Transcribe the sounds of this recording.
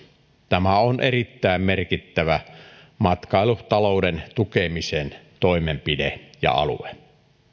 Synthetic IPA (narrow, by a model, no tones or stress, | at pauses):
t̪æmæonʔerit̪ːæˑemmerkit̪ːæʋæ | mɑt̪kɑˑeluht̪ɑloudent̪ukemisent̪oimempidejɑ̰ɑ̰lṵe